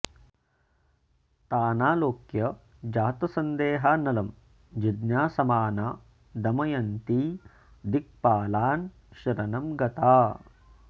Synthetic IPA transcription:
t̪aːnaːloːkjɐ | d͡ʒaːt̪ɐsɐnd̪eːɦaːnɐlɐm | d͡ʒid̪njaːsɐmaːnaː | d̪ɐmɐjɐnt̪i | d̪ik̚paːlaːn | ʃɐɾɐnɐmɡɐt̪aː

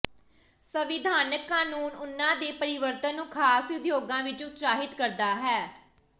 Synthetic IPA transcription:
səʋɪd̪ʱaːnəkːaːnuːnʊnːãːd̪eːpəɾɪʋəɾt̪ənːũːkʰaːsʊd̪joːɡãːʋɪt͡ʃʊt̪saːɦɪt̪kəɾd̪aːɦɛː

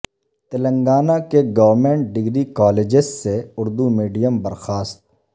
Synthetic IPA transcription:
t̪ələ̃ŋɡaːnakeɡəʋəɾmẽːɳʈ̚ɖɪɡɾikaːleːd͡ʒɪsseʊɾd̪umiːɖijəmbəɾxaːst̪̚

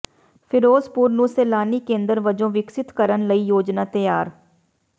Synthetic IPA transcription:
pʰɪɾoːzpuːɾnũːseːlaːniːkẽːnd̪əɾʋəd͡ʒõːʋɪksɪt̪kəɾənləiːjoːd͡ʒnaːt̪əjaːɾ

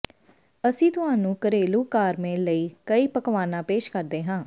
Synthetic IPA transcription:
əsĩːt̪ʊɦãːnũːkəɾeːluːkaːɾmẽːləiːkəiːpəkʋaːnãːpeːʃkəɾd̪eːɦãː

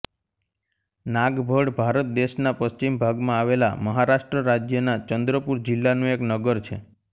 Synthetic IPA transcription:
naɡbʱəɽbʱaɾət̪̚d̪eʃnapəst͡ʃimbʱaɡmãaʋela̰məɦaɾaʃʈɾəɾad͡ʒjənat͡ʃənd̪ɾəpuɾd͡ʒɪlːanũeknəɡəɾt͡ʃʰḛ

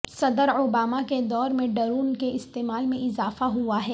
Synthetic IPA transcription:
sɐd̪əɾoːbaːmaked̪ɔːɾmẽɖɐɾuːnkeɪst̪eːmaːlmẽʔɪzaːfaɦuaɦɛː

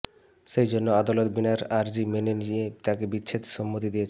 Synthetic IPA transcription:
ʃejd͡ʑonːoad̪alot̪binaɾaɾd͡ʑimenenijet̪akebitːɕʰet̪ʃɔmːot̪̬id̪ijet͡ɕʰ

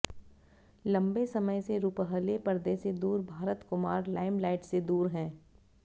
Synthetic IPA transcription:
lɐ̃mbesɐməjseɾuːpəɦəlepɐɾd̪esed̪uːɾbʱaːɾət̪kʊmaːɾlaːɪmlaːɪʈsed̪uːɾɦɛ̃ː

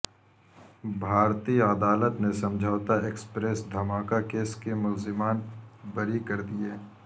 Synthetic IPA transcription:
bʱaːɾt̪iəd̪aːlət̪nesɐ̃md͡ʒʱaːʋt̪aeːkspɾeːsd̪ʱɐmaːkakeːskemʊlzɪmaːnbəɾikɐɾd̪ieː

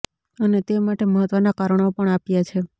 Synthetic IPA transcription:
ənet̪emaʈeməɦət̪ʋənakaɾəɳ̃opəɳapjat͡ʃʰe

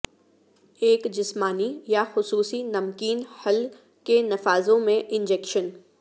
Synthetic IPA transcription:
eːkd͡ʒɪsmaːnijaxʊsuːsinɐmkiːnhɐl | kenɐfaːzõmẽʔɪ̃nd͡ʒɛːkʃən

